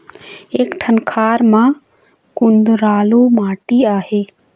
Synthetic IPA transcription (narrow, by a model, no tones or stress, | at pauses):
eːkʈʰənkʰaːɾmã | kʊ̃nd̪ɾaːluːmaːʈiaːheː